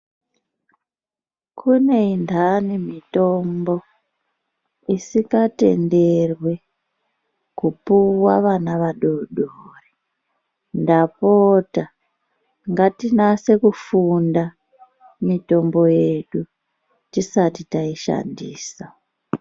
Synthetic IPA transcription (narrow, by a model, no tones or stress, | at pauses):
kʰune̞indʱanimito̞mbo̞ | isikate̞̰nde̞rwe̞ | kupuwaʋanaʋaɗoɗore | ndapota | ŋɡatinase̞kufunda | mito̞mbo̞je̞ɗu | tisatitaiʃa̰ndiːsa